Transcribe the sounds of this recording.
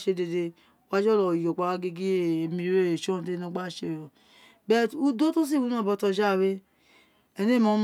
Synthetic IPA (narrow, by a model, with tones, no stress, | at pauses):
ʃe˧de˨de˧˦ | wa˧˦d͡ʒɔ˦lɔ˨jo˨k͡pa˨˧wa˧ɡe˧ɡi˦e˦˨mĩ˧˦ɾe˦˨e˨ʃo˦˨te˦no˦ɡ͡ba˦ʃe˨jo˨ | bɛ˦tu˦do˦to˦s̬i˦˨wu˦nã˦˨bɔ˧˦tɔ˧d͡ʒa˦˨we˦ | ɛ˨ne˦˨mõ˨˦m